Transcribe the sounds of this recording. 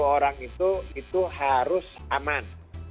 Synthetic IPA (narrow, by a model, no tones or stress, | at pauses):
oɾaŋit̪uit̪uhaɾʊsaman